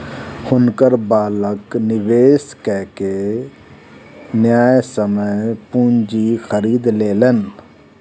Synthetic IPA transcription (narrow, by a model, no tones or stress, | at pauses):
hʊnkəɾbaːləknɪʋeːskɛɦke | njaːjsəməjpũnd͡ʒixʰəɾiːd̪leːlən